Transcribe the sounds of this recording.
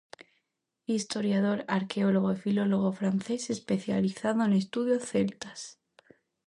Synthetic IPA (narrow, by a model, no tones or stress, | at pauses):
ist̪o̞ɾjað̞o̞ɾaɾke̞o̞loɣ̞oifilo̞lo̞ɣ̞o̞fɾanθe̞se̞spe̞θjaliθaðoene̞st̪uðjoθe̞lt̪ḁs